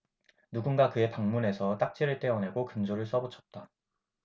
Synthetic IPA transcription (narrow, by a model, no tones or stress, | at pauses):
nuɡunɡakɯe̞paŋmune̞sʰʌt͈ak̚t͡ɕ͈iɾɯɭt͈e̞ʌne̞ɡokɯnd͡ʑoɾɯɭs͈ʌbɯt͡ɕʰʌ̥t̚t͈a